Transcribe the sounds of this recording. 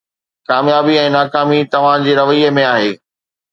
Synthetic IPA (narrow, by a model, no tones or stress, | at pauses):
kaːmjaːbiɛ̃ːnaːkaːmit̪ɐʋ̤ãd͡ʑeːɾɐʋəiəmẽaːɦeː